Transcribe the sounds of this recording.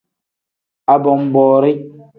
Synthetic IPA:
a˨bɔ˨m˦bɔː˨ɾi˦

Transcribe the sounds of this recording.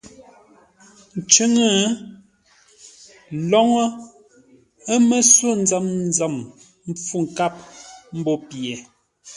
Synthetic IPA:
n̩˨t͡ʃʉ˦ŋə˦˨ | lɔ˦ŋɔ˦ | ə˦me˦swo˦˨n˦d͡za˦˨mn˦za˨m | m̩˦p͡fu˦˨ŋ̩˨ka˦˨p̚m̩˦bɔ˦pjɛ˨

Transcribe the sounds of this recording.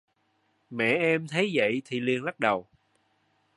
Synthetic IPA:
mɛ̰˧˨ʔɛ˧mt̪ʰə˨˦jzə̰˧˨jt̪ʰi˨˩li˧əŋla˦˥k̚ɗə˨˩w

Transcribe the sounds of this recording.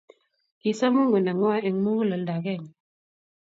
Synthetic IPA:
ki˨sa˦mu˦ŋɡə˨na˨ŋwa˦e˨ŋ˦mu˦ɣu˦lə˨lda˨ɣɛ˦˨ŋ

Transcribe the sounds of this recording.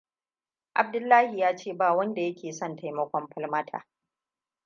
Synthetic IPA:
ʔa˨b̚dʊ˦lːaː˦hi˨jaː˦t͡ʃeː˦˨baː˨wɐ˦nda˨jɐ˦kʲeː˨sɔ˦˨nta˨jmɐ˦kʷɔ˦mɸɐ˦lmɐ˦tʰa̰ː˨

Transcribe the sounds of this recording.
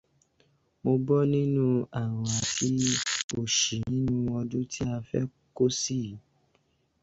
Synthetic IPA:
mo˧bɔ˦nĩ˦nũ˦a˨w̃a˨˦tʰi˦o˦˨ʃi˨nĩ˦nũ˦wɔ˧dũ˦tʰi˦a˧fɛ̰˦ | ko˦si˦˨

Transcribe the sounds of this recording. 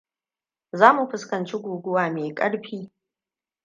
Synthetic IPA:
zaː˦mu˨ɸɪ˦skɐ˨nt͡ʃe˦ɡʷuː˨ɡʷʊ˦waː˨meː˨kʼɐ̰˦ɽɸiː˦

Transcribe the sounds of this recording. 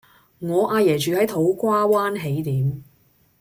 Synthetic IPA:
ŋɔː˨˧ʔaː˧jɛː˨˩t͡ʃyː˨hɐ˨˥jt̪ʰo˨˥wkʷaː˥waː˥nɦe˨˥jt̪iː˨˥m

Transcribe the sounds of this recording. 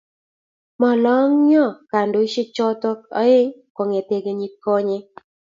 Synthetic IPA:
mɔ˨lɔ˦ŋɲɔ˦˨ka˨ndo˨˦ʃi˦t͡ʃɔ˦t̪ɔ˦k̚ɔ̰˦ɪ˦ŋkɔ˨ŋe˨te˨ɡe˨ɲi˦t̚kɔ˦ɲe˦

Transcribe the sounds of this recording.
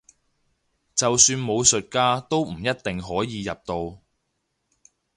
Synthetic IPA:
t͡sɐ˨wsyː˧nmo˨˧wsɵ˨t̚kaː˥t̪o˥wm̩˨˩jɐ˥t̚t̪ɪ˨ŋɦɔː˨˥jiː˨˧jɐ˨p̚t̪o˧w

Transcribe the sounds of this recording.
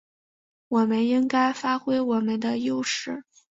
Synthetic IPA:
wɔ˨˩mə˦ni˥ŋka˥ɪfa˥xwe˥ɪwɔ˨˩mə˦nd̪ə˧jo˥˧ʊʂɻ̩˥˩

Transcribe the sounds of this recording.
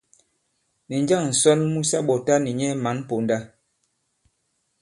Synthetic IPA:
ni˨ɲd͡ʒa˦˨ŋn̩˨sɔ˦lmu˦sa˦ɓɔ˨ta˦ni˨ɲɛ˦ma˨˦n˦po˨nda˦

